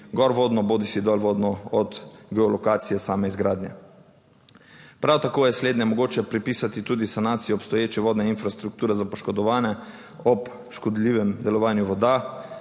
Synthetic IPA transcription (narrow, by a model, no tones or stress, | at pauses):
ɡɔɾʋoːd̪nɔboːd̪isid̪ɔlʋoːd̪nɔɔd̪ɡɛɔlɔkaːt̪sijɛsaːmɛizɡɾaːd̪njɛ̰ | pɾawt̪akoːjɛsleːd̪nɛmɔɡoːt͡ʃɛpɾipisat̪it̪uːd̪isanaːt̪sijɔːpst̪ɔjeːt͡ʃɛʋoːd̪nɛinfɾast̪ɾuk̚t̪uːɾɛzapɔʃkɔd̪ɔʋaːnɛ | ɔp | ʃkɔd̪liʋɛmd̪ɛlɔʋaːnjuʋɔd̪a